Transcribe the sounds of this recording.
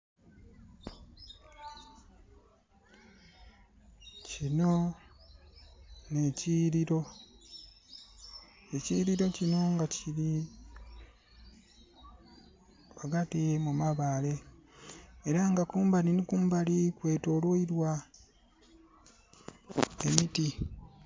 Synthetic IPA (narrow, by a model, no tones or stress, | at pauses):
cino̞ | ne̞ciɾiɾo̞ | eciɾiɾo̞cino̞ŋɡacʰiɾi | aɡatimumaβaːle̞ | eɾaŋɡakuːmbaninikuːmbalikwe̞ːto̞lwoiɾwa | emiti